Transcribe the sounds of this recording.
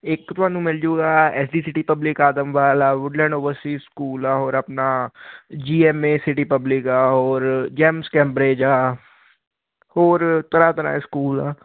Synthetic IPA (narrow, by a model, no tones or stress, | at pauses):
eːkt̪ʋãːnũmɪld͡ʒoːɡaːɛːsɖiːsɪʈipɐblɪkaːd̪əmʋaːlaːʋʊɖlɛ̃ːɳɖoːʋəɾsʈiskuːlaɦoːɾɐpna | d͡ʒiːemẽsɪʈipəblɪkaɦoːɾd͡ʒɛːmskɛ̃ːmbɾeːd͡ʒaː | hoːɾt̪ɐɾaːt̪ɐɾa̰ːeskuːla̰ː